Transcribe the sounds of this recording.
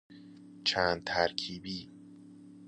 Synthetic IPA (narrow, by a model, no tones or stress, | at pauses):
t͡ʃʰæːnd̪̚t̪ʰæɾkʰiːbiː